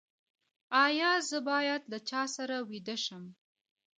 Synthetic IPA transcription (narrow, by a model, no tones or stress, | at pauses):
ɑjɑzəbɑjad̪lat͡ʃɑsaɾawid̪əʃəm